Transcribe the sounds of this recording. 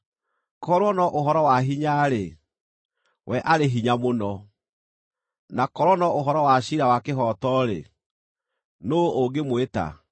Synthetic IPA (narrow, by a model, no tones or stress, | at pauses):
kɔɾwɔnɔʔoɦɔɾɔwaɦiɲaɾe | wɛʔaɾeɦiɲamonɔ | nakɔɾɔnɔʔoɦɔɾɔwaɕiɾawakeɦɔtɔɾḛ | nooɡemweta̰